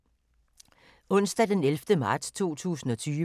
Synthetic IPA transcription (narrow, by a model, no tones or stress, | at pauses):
ɔ̽n̰sd̥æd̥enelfd̥əmɑ̈ːd̥st͡sʰo̝̰ːt͡sʰṵːsn̩ɒ̽t͡sʰyː